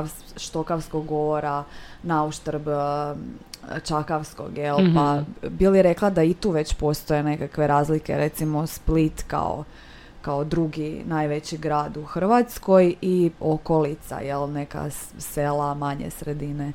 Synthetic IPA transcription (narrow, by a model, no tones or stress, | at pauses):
ʃt̪o̞kaʋskoɡɡooɾa | nauʃt̪ɾb | t͡ʃakaʋsko̰ɡjelpabileɾe̞klˠad̪ait̪uːʋet͡ɕpo̞st̪o̞je̞ne̞kakʋe̞ɾaːzlikḛɾʔet̪simo̞split̪ka̰o̰ | kao̞d̪ɾuɡinajʋet͡ɕiɡɾaːd̪uxr̩ʋat̪sko̞jioko̞lit̪sa̰jelne̞ka̰selˠamaɲḛsɾed̪ine